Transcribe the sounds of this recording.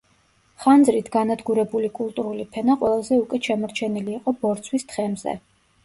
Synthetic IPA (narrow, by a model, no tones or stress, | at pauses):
χand̪zɾit̪ʰɡanad̪ɡuɾɛbulikʼulˠt̪ʼuɾulipʰɛnaqʼwɛlˠazɛukʼwɛʃɛmɔɾt͡ʃʰɛniliːqʼɔbɔɾt̪sʰwist̪ʰχɛmzɛ̰